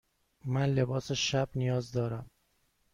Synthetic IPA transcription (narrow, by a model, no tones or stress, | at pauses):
mænlebɒːseʃæbnijɒːzd̪ɒːɾæm